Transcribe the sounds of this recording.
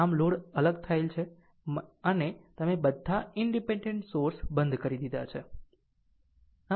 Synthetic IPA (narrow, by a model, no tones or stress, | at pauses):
amloɽələɡt̪ʰaelt͡ʃʰe | ənet̪əmebəd̪ʱːaɪɳɖipeɳɖeɳʈsoɾsbə̃nd̪ʱkəɾid̪id̪at͡ʃʰe | a